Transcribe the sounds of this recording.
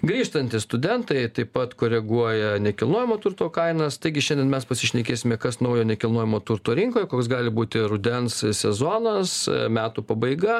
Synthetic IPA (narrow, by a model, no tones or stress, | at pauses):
ɡɾʲiːʃt̪ɐnʲt̪ʲɪst̪ʊd̪ʲɛnt̪ɐɪt̪ɐɪpɐt̪koːɾʲɛɡuɔjɛnʲɛkʲɪlˠnoːjɪmoːt̪ʊrt̪oːkɐɪnɐst̪ɐɪɡʲɪʃʲɛndʲɛnmʲɛspɐsʲɪʃʲnʲɛkʲeːsʲɪmʲɛkɐsnɐʊjoːnʲɛkʲɪlˠnoːjɪmoːt̪ʊrt̪oːɾʲɪŋkoːjɛkoːksɡɑːlʲɪbuːt̪ʲɪɾʊd̪ʲɛnssʲɛzoːnɐsmʲæːt̪uːpɐbɐɪɡɐ